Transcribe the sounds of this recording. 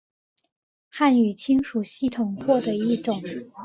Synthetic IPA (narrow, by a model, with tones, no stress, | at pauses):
xa˥˩ny˨˩t͡ɕʰi˥ŋʂu˨˩ɕi˥˩t̪ʰʊ˨˩ŋxwɔ˥˩d̪ə˩i˥˩ʈ͡ʂʊ˨˩˦ŋ